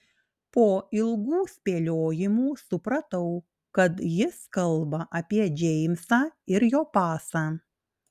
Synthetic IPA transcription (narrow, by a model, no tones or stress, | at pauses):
poːɪlˠɡuːsʲpʲeːlʲoːjɪmuːsʊpɾɐt̪ɐʊ | kɐt̪jɪskɐlˠbɐʔɐpʲiɛd͡ʒʲɛɪmʲsɑːɪɾjoːpɑːsɑː